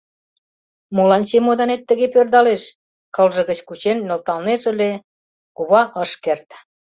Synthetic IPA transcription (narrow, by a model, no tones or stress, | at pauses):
molɑnt͡ɕemod̪ɑnet̪ːə̆ɣepørd̪ɑleʃ | kɤ̆lʒə̆ɣə̆t͡ɕkut͡ɕenːolt̪ɑlneʒə̆le | kuβɑʔəʃkert̪